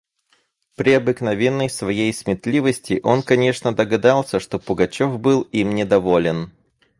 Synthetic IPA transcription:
pɾʲɪɐbɨknɐvʲenːəjsvɐjejsmʲɪt̪lʲivəsʲtʲɪʔo̞nkɐnʲe̞ʂnəd̪əɡɐd̪ɑlˠsʲəʂt̪o̞pʊɡɐt͡ɕo̞fbɨlˠimnʲɪd̪ɐvo̞lʲɪn

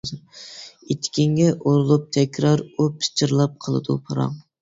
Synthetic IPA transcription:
zɾet̪ʰːkʲiŋɡʲɛʔoɾɨlˠup̚t̪ʰɛkʲʰɾɑɾupʰi̥t͡ʃʰiɾlˠɑp̚qʰəlˠɨ̰d̪ṵpʰɑɾɑ̰ŋ

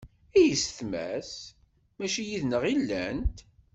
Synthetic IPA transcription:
ijəsθmæ̰s | mæʃijiðnəʁilːæ̰nt̪

